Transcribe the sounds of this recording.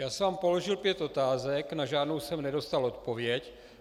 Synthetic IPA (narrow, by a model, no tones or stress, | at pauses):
jaːsɛvaːmpo̞lo̞ʒɪlpjɛt̪ʔo̞t̪aːzɛknaʒaːdnowsɛmnɛdo̞st̪alo̞t̪̚povjɛc